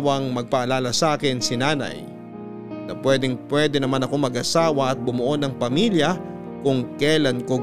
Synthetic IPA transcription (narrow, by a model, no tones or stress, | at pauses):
wɐŋmɐɡ̚pɐʔɐlaːlɐsʔaːkɪnsɪnaːnɐ̰j | nɐpwɛːd̪ɪŋpwɛːd̪ɛnɐmanɐko̞mɐɡʔɐsaːwɐɐt̪̚bʊmʊʔo̞nɐŋpɐmiːljɐ | kʊŋkɛlɐnko